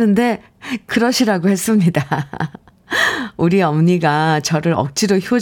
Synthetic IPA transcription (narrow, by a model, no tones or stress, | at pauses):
ɯnde̞ | kɯɾʌɕʰiɾaɡohe̞s͈ɯmɲida | uɾiʌmɲiɡat͡ɕʌɾɯɾʌk̚t͡ɕ͈iɾoçjo